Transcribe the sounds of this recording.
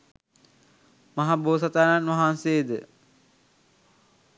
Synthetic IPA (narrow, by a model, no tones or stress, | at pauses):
mɐɦaboːsat̪aːnanʋɐɦanseːd̪ə